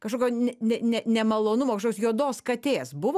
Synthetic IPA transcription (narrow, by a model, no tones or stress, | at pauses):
kɐʃkoːkʲoːnʲɛnʲɛnʲɛnʲɛmɐlˠoːnʊmoːkʃokːosjoɔd̪oːskɐt̪ʲeːsbʊʋ